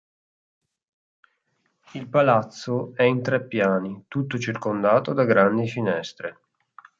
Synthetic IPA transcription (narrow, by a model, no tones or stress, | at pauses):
ilpalat̪sːoɛint̪ɾɛpːjaːnit̪ut̪ːot͡ʃirkond̪aːt̪od̪aɡɾand̪ifinɛst̪ɾe